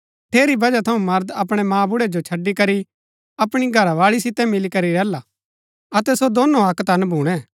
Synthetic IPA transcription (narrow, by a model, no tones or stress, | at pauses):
ʈ̪ʰeːɾibɐd͡ʒat̪ʰɐũmɐɾd̪ɐpɽ̃ɛmãːbʊɽɛd͡ʒot͡ʃʰɐɖːikɐɾi | ɐpɽ̃iɡʱɐɾaʋaːɭis̬ɪt̪ɛmɪlikɐɾiɾɛːlaː | ɐt̪ɛsod̪oːnoɐkt̪ɐnbʱuːɽ̃ɛ̃ː